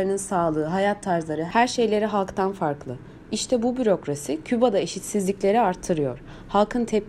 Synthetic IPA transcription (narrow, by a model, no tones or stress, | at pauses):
ɾɯnɯnsaːlˠɯːɦajat̪ʰːaɾzlˠaɾɯhæɾʃe̞jlʲe̞ɾiɦalˠkt̪ʰanfaɾklˠɯ | iʃt̪ʰɛbubyɾo̞kɾasicʰybad̪aeʃit̪sizlʲicʲlʲe̞ɾiaɾt̪ʰːɯɾɯjo̞ɾ̥ | halˠkʰɯnt̪ʰɛp̚